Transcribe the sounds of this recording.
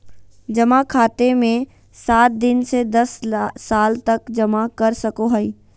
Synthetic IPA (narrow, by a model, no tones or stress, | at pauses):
d͡ʒɐmakʰaːt̪emẽ | saːt̪̚d̪ɪnsed̪ɐsːaːlt̪ɐkd͡ʒɐmakɐɾsɐkoɦɐi